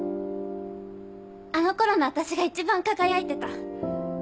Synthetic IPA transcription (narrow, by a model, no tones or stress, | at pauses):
ano̞ko̞ɾo̞noat̪aɕiɡait͡ɕibãŋkaɡajait̪e̞t̪a